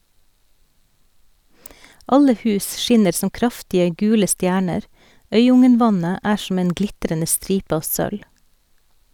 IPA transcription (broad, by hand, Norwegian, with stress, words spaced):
ˈɑlə ˈhʉːs ˈʃɪnəɾ ˈsɔm ˈkɾɑftɪə ˈɡʉːlə ˈstjæːɳəɾ ˈœʏˌʊŋənˌʋɑnə ˈæː ʃm̩ ˈeːn ˈɡlɪtɾənə ˈstɾiːp ˈɑːʋ ˈsœl